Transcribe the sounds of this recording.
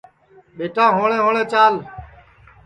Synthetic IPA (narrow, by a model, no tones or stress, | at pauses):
ɓeːʈãːɦoːɳẽːɦoːɳẽːt͡ʃaːl